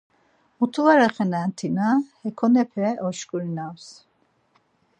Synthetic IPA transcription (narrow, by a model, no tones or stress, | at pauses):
ut̪ʰuvaɾaχɛnant̪ʰinahɛkʰɔnɛpʰɛɔʃkʼuɾinaws